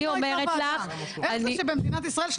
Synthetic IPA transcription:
iommeʁet̪laχ | aniʃebemd̪inat̪isʁaelʃ

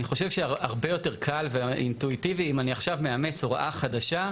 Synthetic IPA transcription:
niχo̞ʃevʃeaʁbe̞jo̞te̞ʁkʰalveḭntuitiviːmaniaχʃavmeame̞t͡soʁʔaχadaʃa

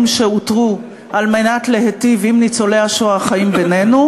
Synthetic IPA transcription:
mʃeutʁu | ʔalmenatlehetivimnit͡soleaʃoaχaimbenenu

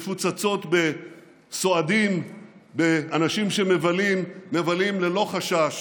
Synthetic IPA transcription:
fut͡sat͡so̞t̪be̞ | so̞adimbe̞anaʃimʃe̞me̞valimːevalimle̞lo̞χaʃaʃ

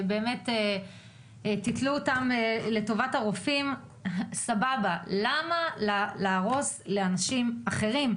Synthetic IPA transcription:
be̞ːme̞te | titluotamle̞to̞vataʁofim | sababalamallaːʁo̞sleanaʃimaχe̞ʁim

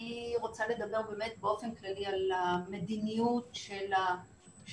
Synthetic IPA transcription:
iʁo̞t͡sale̞d̪abe̞ʁbe̞ːmet̪̚beo̞fenklalialame̞d̪inijutʃela | ʃ

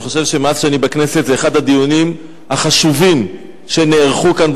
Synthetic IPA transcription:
χo̞ʃe̞vʃe̞masʃanibakne̞set̪zeːχad̪had̪ijunim | haχaʃuvim | ʃe̞neːʁχukanb

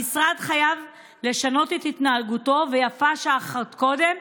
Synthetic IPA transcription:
isʁad̪χajav | le̞ʃano̞t̪et̪it̪naːlɡuto̞ve̞jafaʃaːχtko̞d̪e̞m

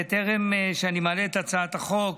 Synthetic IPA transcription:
et̪eʁemʃeanimaleet̪at͡saat̪aχo̞k

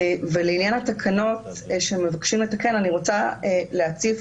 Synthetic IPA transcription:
veleinjanat̪akʰano̞t | ʃemevakʃimlet̪ake̞naniʁo̞t͡saleat͡sif

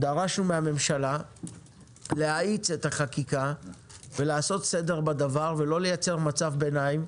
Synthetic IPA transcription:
d̪aʁaʃnumehame̞mʃala | leait͡se̞t̪aχakika | ve̞laːso̞t̪se̞d̪e̞ʁbad̪avaʁve̞lo̞le̞jat͡se̞ʁmat͡savbenaim

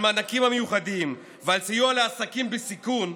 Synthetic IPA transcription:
maːnakimhamejuχad̪im | valsijualeasakimbesikun

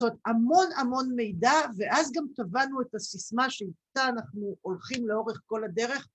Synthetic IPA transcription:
etamo̞namo̞nme̞jdave̞ʔazɡamt̪avanuetasismaʃeit̪aːnaχnuʔolχimle̞o̞ʁe̞χko̞lade̞ʁe̞χ

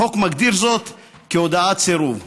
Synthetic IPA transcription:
o̞kmaɡd̪iɾzo̞t̪ | keod̪aat̪t͡seɾuv

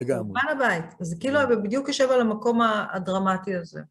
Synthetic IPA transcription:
ɡaanabaitzekiiluabebid̪jukjaʃe̞valamako̞ma̰ːdʁamatiazḛ

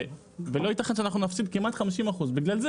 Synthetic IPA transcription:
velo̞it̪aχenʃeanaχnunafsib̚kimat̪χamiʃimaχuzbiɡlalze

